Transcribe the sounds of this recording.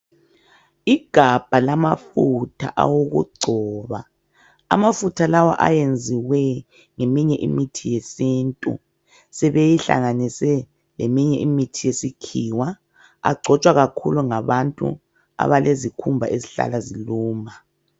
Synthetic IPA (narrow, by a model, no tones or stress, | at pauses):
iɡ̥ʱab̥ʱalamafutʰa̰ʔa̰woɣṵɡ͡ǀʱɔːβa | a̰mafutʰalawa̰ʔa̰jend͡zʱiwɛ | ŋemiɲɛʔḭmitʰijesiːntʼṵ | sɛβejiɬa̰ŋanisɛ | lemiɲɛʔimitʰijesikʰiwa | a̰ɡ͡ǀʱɔt͡ʃʼwaɣakʰṵluŋaβantʼṵ | a̰βalezikʰumbʱa̰ʔeziɬa̰laziluːma